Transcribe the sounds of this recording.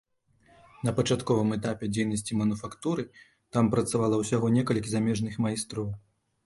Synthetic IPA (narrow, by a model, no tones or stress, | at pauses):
nɐpɐt͡ʂat̪kɔvɨmɛt̪̬apʲɛd͡zʲejnɐsʲt͡sʲimɐnufakt̪uɾɨ | t̪ampɾɐt̪savalˠɐwsʲaɣɔnʲɛkɐlʲkʲizamʲɛʐnɨxmajst̪ɾɔw